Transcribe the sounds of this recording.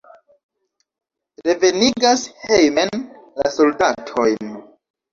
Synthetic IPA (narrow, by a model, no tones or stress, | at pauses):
ɾe̞ve̞niɡashejmen | laso̞ldatʰo̞jn